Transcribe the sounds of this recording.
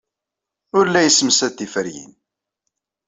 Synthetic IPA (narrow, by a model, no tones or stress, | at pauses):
ʊɾlːæjəsːmsæt̪ːifəɾjḭn